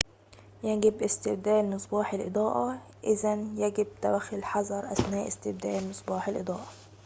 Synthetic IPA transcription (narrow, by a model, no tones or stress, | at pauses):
jæɡɪbʔɪst̪ɪb̚d̪æːʔlmɨsˤbɑːħelʔḛd̪ˤɑːʔɑ | ʔɪzænjæɡɪb̚t̪æwæxːɪlħɑzˤɑɾˤʔæ̰snæːʔɪ̰st̪ɪb̚d̪æ̰ːʔlmɨsˤbɑːħelʔɨd̪ˤɑːʔɑ